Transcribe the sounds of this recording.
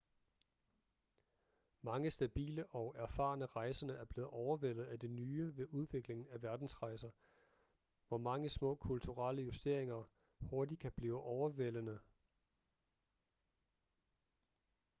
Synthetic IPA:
mɑ̈ŋəsd̥æb̥ḭːləʔɒ̽ʊʔæɐfɑ̈ːnəʁɑ̈ɪsɐnəæɐb̥le̝ːð̩ˠʔɒʊɐʋel̰ð̞̩ˠæd̥e̝nyːʋe̝ʔuð̞ˠʋe̝ɡ̥le̝ŋn̩æʋæɐd̥n̩sʁɑ̈ɪsɐ | ʋɒmɑ̈ŋəsmɔ̰̽ːkʰult͡sʰuʁɑləjusd̥e̝ɐ̰e̝ŋɐ | ho̝ɐd̥ikʰæb̥liːʊʔɒʊɐʋel̰ənə

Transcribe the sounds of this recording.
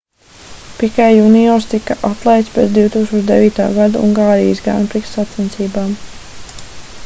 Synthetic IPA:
pikajjunijɔːɾst̪ikaʔat̪lˠɛjt̪spʲeːt̪d̪ʲiwt̪uːksuɔt͡ʃd̪evʋiːt̪a̰ːɡad̪aṵŋɡaːɾḭj̰sɡɾa̰npɾiksat̪sint̪siːbaːm

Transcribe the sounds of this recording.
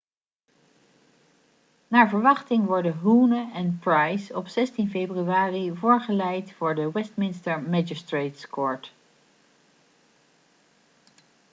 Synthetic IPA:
naːɹvəɹʋɑχtɪŋʋɔɹdəɦunəɛnpɹajsɔpsɛstinfejbryaːrivʊːɹχəlɛjtfʊːɹdəwɛstmɪnstəɹmɛd͡ʒəstɹejtskɔɹt

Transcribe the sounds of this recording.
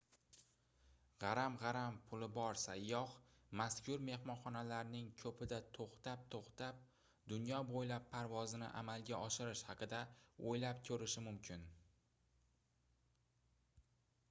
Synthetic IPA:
ʁɑɾamʁɑɾampʰʊlɪbɒɾsajːɒχmaskʰʲʊɾme̞hmɒnχɒnalaɾnɪŋkʲʰɵpɪd̪at̪ʰoχt̪ap̚t̪ʰoχt̪ap̚ | d̪ʊnjɒbojlapʰːaɾvɒzɪnɪ̰ʔa̰malˠɡʲaʔɒʃɪɾɪʃhɑqʰɨd̪aojlapkʲʰɵɾɪʃɪmʊmkʲʰɪn

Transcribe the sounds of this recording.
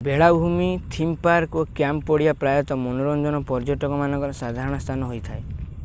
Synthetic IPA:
beɭabʱumit̪ʰimpaɾkokjamppɔɽiapɾajɔt̪ɔmonoɾɔnd͡ʒ̪ɔnɔpɔɾd͡ʒɔʈɔkɔmanɔ̃ŋkɔɾɔsad̪ʱaɾɔɽ̃ɔst̪ʰanɔɦojt̪ʰae

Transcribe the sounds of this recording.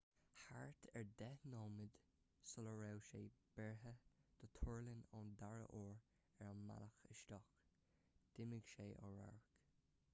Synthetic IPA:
haɹt̪ʰɛɹd̪ɛhnɔːmɪd̪ | sɔləɹɛwʃeːb̥ɛɹɦəd̪̥ət̪ʰɔɹlɪnɔnd̪aɹə̰ʔɔːɹ | ɛɹanma̰ləxəʃt̪ɔx | d̪̥ɪmɪɡʃeːʔɔ̰ɹa̰ɹk

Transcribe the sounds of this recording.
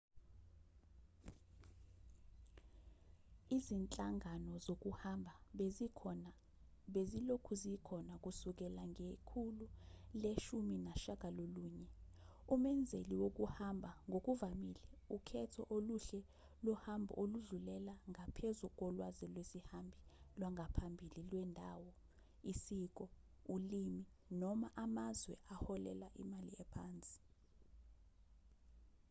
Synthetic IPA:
izint͡ɬʼaŋʱanɔzok̬ʼuhambʱa | ɓezilokʰuzikʰɔnak̬ʼusuk̬ɛlaŋɡʱekʰululeʃuminaʃak̬ʼaloluːɲɛumɛnd͡zʱeliwok̬ʼuhambʱaŋɡʱok̬ʼuvamilɛukʰɛtʰɔʔoluɬɛ | lɔhambʱɔ̰ʔoluɮulɛlaŋʱapʰezuk̬ʼɔlwazilwesihambʱilwaŋʱapʰambʱililwɛndʱawɔ | isik̬ʼɔ | ulimi | nɔmaʔamazwɛʔahɔlɛ̰laʔḭmalḭɛpʰaːnt͡sʼi̥

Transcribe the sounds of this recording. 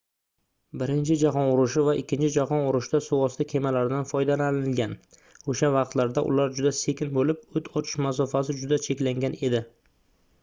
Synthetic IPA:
bɪɾɪnt͡ʃʰɪd͡ʒaɦɒnʊɾʊʃɪvaʔɪkʲʰːɪnt͡ʃʰɪd͡ʒaɦɒnʊɾʊʃd̪asʊwɒst̪akʲʰe̞malaɾɪd̪anfɒjd̪alanɪɪlɡʲan | oʃavɑqt̪laɾd̪aʔʊ̰laɾd͡ʒʊd̪ase̞kʲɪnbolɪp̚ʊt̪ʰɒt͡ʃ̪ʰɪ̥ʃmas̬ɒfas̬ɪd͡ʒʊd̪at͡ʃʰe̞kʲlaŋɡʲane̞d̪ɪ

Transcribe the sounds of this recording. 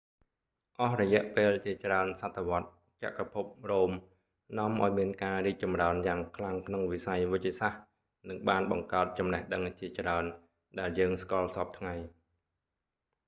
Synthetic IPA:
ʔɑhrɔjɛ̆əʔpeːlt͡ɕiət͡ɕraənsat̪ʰːeʋŏət̪̚ | t͡ɕa̰ʔkapʰup̚roːm | nŏəmʔaɔjmiənkaːriːk̚t͡ɕɑmraənjaːŋkʰlaŋkʰnoŋʋisajʋɨc̚t͡ɕiəsah | nɨŋɓaːnɓɑŋkaət̪̚t͡ɕɑmnɛhɗəŋt͡ɕiət͡ɕraən | ɗaɛljəːŋskŏlsɑp̚t̪ʰŋaj

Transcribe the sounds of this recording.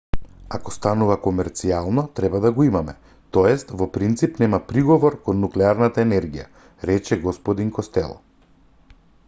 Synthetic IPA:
akɔst̪anuvakɔmɛɾt̪sialˠnɔt̪ɾɛbad̪aɡɔimamɛ | t̪ɔɛst̪vɔpɾint̪sipnɛmapɾiɡɔvɔɾkɔnːuklɛaɾnat̪aɛnɛɾɡija̰ | ɾɛt͡ʃɛɡɔspɔd̪iŋkɔst̪ɛ̰lˠɔ̰

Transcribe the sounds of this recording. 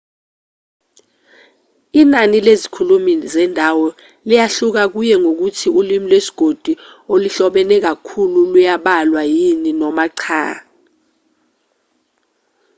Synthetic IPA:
inanilezikʰulumizɛndʱawɔ | lijaɬuk̬ak̬ujɛŋok̬utʰiulimilwesi̥ɡ̥ʱod̥ʱu | oliɬɔɓɛnɛk̬akʰululujaɓalwajininɔmaǀʰa̰ː

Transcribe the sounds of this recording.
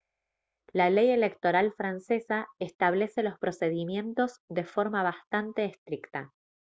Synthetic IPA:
laleje̞lekt̪o̞ɾalfɾanse̞saest̪aβ̞le̞se̞lo̞spɾo̞se̞ð̞imje̞nt̪o̞z̥ðe̞fo̞ɾmaβ̞ast̪ant̪e̞ːst̪ɾikt̪a

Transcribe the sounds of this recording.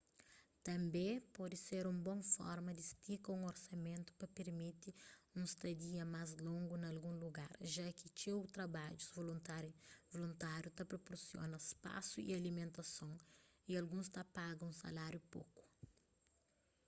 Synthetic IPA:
t̪ɐ̃mbẽpɔd̪ɪseɾũmbõfɔ̰ɾmɐd̪ist̪ikɐ̃ũŋoɾsɐmẽnt̪ʊ̥pɐpeɾmit̪iũst̪ɐd̪iɐmazlõŋɡunɐɐlɡũluɡaɾʒakɪt͡ʃewt̪ɾɐbad͡ʒuzvolavolũnt̪aɾjut̪ɐpɾopoɾsjo̰nɐspa̰suḭalimẽnt̪ɐsõwialɡũst̪apaɡɐ̃ũsɐ̰laɾjupo̰ku̥

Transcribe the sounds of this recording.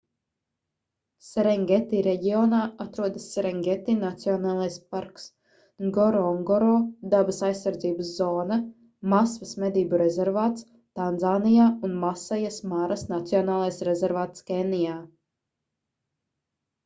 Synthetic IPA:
sɛɾɛŋɡʲet̪iɾeɟiɔːnaːat̪ɾuɔd̪ɐsːɛɾɛŋɡʲet̪inat̪siɔnaːlˠajspaɾks | ŋɡɔɾɔŋɡɔɾɔːd̪abasajsːaɾd̪ziːbəszɔːna | masvɐsmɛd̪iːbuɾezɛɾvaːt̪s | t̪anzaːnijaːunmasɛjasmaɾasnat̪siɔnaːlˠajsɾɛzɛɾvaːt̪skɛnijaː

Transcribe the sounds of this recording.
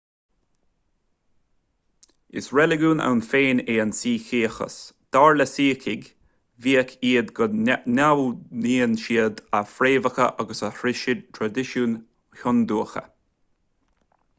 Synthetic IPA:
ɪ̰sɹɛlɪɡuːna̰wnfeːneːansiːkiːxə̰sd̪̥aːɹləsiːkʰɪɡ | viːəkʰiːəd̪ɡɔnawniːənʃiːəd̪afɾeːvəxə̰ʔaɡəsəhɾɪʃɪd̪̚t̪ʰɾad̪ɪʃuːn | hʊnd̪uːəxə̰

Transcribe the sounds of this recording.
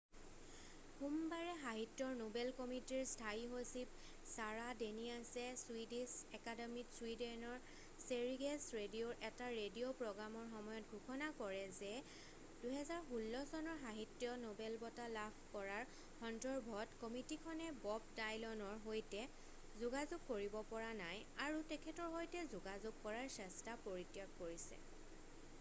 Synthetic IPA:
humbaɹɛɦaɦitːjɔɹnobɛlkɔmitiɹstʰaiɦosip̚ | saɹadeniasɛswidisɛkademitswidɛnɔɹ | seɹiɡesɹedioɹʔɛtaɹedijopɹɔɡɹamɔɹxɔmɔjɔt̚ɡʱukʰɔnakɔɹɛzɛ | d̥uɦɛzaɹxulːɔsɔnɔɹɦaɦitːjɔnobɛlbɔtalabʰʱkɔɹaɹ | xɔndɔɹbʱɔtkɔmitikʰɔnɛbɔb̚dajlɔnɔɹɦojtɛ | zuɡazʊɡ̚koɹibɔpɔɹanaj | aɹutɛkʰɛtɔɹɦojtɛzuɡazʊɡ̚kɔɹaɹsɛstapoɹitjakkoɹisɛ̰

